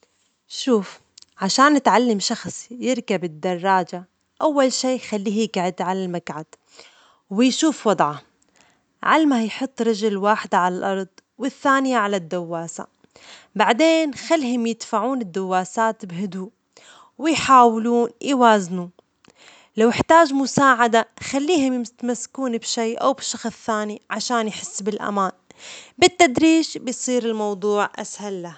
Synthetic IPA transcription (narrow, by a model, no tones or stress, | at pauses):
ʃuːf | ʕaʃaːnːɪt̪ʕalːamʃɑxsˤjɪɾkabɪd̪ːɑrˤːɑːd͡ʒa | ʔawːalʃiːjxalːiːhjɪkaʕɪd̪ʕalalmakʕad̪̥ | wɪjʃuːfwɑd̪ˤʕɑ | ʕalmajħʊt̪ˤːɾɪd͡ʒɪlwaːħɪd̪ʕalalʔɑɾˤd̪ˤwɪθːaːnɪjaʕalad̪ːawːaːsa̰ | baʕd̪eːnxalːɦʊmjɪd̪faʕuːnɪd̪ːawːaːsaːt̪bhʊd̪uːʔ | wɪjħaːwluːnjwaːznu | lawɪħt̪aːʒmʊsaːʕad̪axalːiːhʊmjɪmt̪masːkuːnbʃiːʔa̰wbɪʃɑxsθaːniʕaʃaːnjħɪsːbɪlʔa̰maːnbɪt̪ːad̪ɾiːʃbɪjsˤiːɾɪlmɑwd̪ˤuːʕʔa̰shalːah